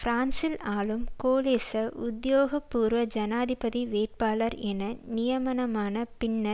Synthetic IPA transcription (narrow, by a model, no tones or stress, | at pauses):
fɾaːnsɪlaːlɯmkoːleːsɐʔʊd̪joːɣɐpːuːɾʋɐd͡ʒɐnaːðɪpɐðiʋeːʈ̚paːlɐɾɛnɐnɪjɐmɐnɐmaːnɐpɪɳːɐ